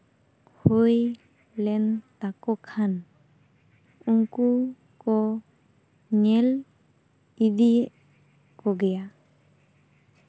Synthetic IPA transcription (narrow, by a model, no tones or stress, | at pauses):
huj | lɛnt̪akɔkʰan | uŋku | kɔ | ɲɛl | id̪iʔ | kɔɡɛja